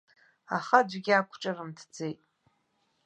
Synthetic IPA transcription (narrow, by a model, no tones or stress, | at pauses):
a̰χad͡ʒʷɡʲiakʷʰʈ͡ʂʼarɨmtʰd͡zejtʼ